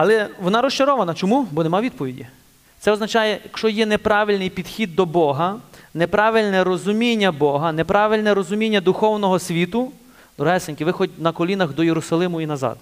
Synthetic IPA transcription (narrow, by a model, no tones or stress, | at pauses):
ɐlˠɛʋɔnɑɾɔst͡ʃɐɾɔʋɐnɐt͡ʃɔmubɔnemɑaʋid̪̚pɔʋʲidʲḭ | t̪sɛɔznɐt͡ʃɑjɛjɐkʃɔjɛnepɾɑʋʲɪlʲnɪjpʲid̪xʲid̪ːɔbɔɦɐnepɾɑʋɪlʲnɛɾɔzʊmʲinʲːɐbɔɦɐnepɾɑʋɪlʲnɛɾɔzʊmʲinʲːɐd̪ʊxɔwnɔɦɔsʲʋʲit̪ʊ | d̪ɾɔɦɛsenʲkɪʋɪxɔd̚ʲnɐkɔlʲinɐxd̪ɔjeɾʊsɐlˠɪmʊinɐzɑ̰d̪